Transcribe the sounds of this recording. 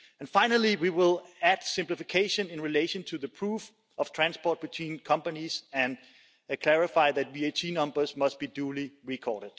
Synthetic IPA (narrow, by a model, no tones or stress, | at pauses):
ɨ̃nfãɪ̃nəlˠiwiwɪlˠæd̥sɪ̃mplɪfɪkʰeɪʃə̃nɪ̃nɹileɪʃə̃ntʰuðəpʰɹ̥uf | ʌv̥tʰɹ̥æ̃nspɔːt̚b̥ɨtʰw̥ĩːnkʰʌ̃mpənizɨ̃n | kʰl̥æɹɪfaɪðæt̚bietʰinʌ̃mbə˞smʌst̚b̥iduliɹikʰɔːɾɨd̥̚